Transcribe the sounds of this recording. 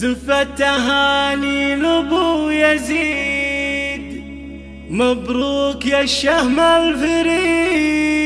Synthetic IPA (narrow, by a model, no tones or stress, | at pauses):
zʊfat̪ːaɦaːnilʊbujazi | d̪ | mabɾuːkjaʃːahmalfɪɾi